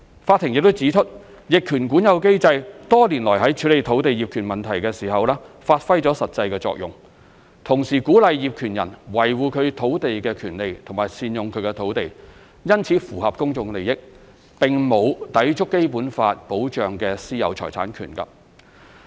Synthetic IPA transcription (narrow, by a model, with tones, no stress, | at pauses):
faː˧t̪ʰːɪ˨˩ŋjɪ˨k̚t̪o˥wt͡siː˨˥t͡ʃʰɵ˥t̚ | jɪ˨kʰyː˨˩nkuː˨˥njɐ˨˧wke˥jt͡sɐ˧jt̪ɔː˥liː˨˩nlɔː˨˩jɦɐ˨˥jt͡ʃʰyː˨˥le˨jt̪ʰo˨˥wt̪e˨jiː˨p̚kʰyː˨˩nmɐ˨nt̪ʰɐ˨˩jkɛː˧siː˨˩hɐ˨wlɛː˥faː˧t̚fɐ˥jt͡sɔː˨˥sɐ˨t̚t͡sɐ˧jkɛː˧t͡sɔ̰ː˧k̚jʊ˨ŋ | t̪ʰʊ˨˩ŋsiː˨˩kuː˨˥lɐ˨jjiː˨p̚kʰyː˨˩njɐ˨˩nwɐ˨˩jwuː˨kʰɵ˨˧ɥt̪ʰo˨˥wt̪e˨jkɛː˧kʰyː˨˩nle˨jt̪ʰʊ˨˩ŋmaː˨jsiː˨˧njʊ˨ŋkʰɵ˨˧ɥkɛ˧t̪ʰo˨˥wt̪e˨j | jɐ˥nt͡sʰiː˨˧˥fuː˨˩hɐ˨p̚kʊ˥ŋt͡sʊ˧ŋle˨˩jɪ˥k̚ | pɪ˨ŋmo˨˧wt̪ɐ˨˥jt͡ʃʰʊ˥kːe˥jpuː˨˥nfaː˧t̚po˨˥wt͡ʃœː˨ŋkɛː˧siː˥jɐ˨˧wt͡ʃʰɔ̰ː˨˩jt͡sʰa̰ː˨˥nkʰy̰˨˩nkɐ̰˧